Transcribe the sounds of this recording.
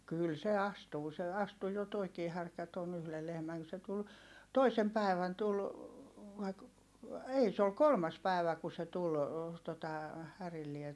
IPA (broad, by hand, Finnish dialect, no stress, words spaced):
kyl se ɑstuː se ɑstu jo toikiː hærkæ ton yhle lehmæŋ ku se tul toisem pæˑi̯ʋæn tul ʋɑi k ei se ol kolmɑs pæˑi̯ʋæ ku se tul totɑ hærilːie